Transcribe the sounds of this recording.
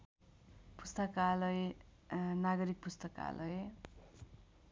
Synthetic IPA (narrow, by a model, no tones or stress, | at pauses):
pu̥st̪ʌkalʌje | naɡʌɾik̚pust̪ʌka̰lʔʌje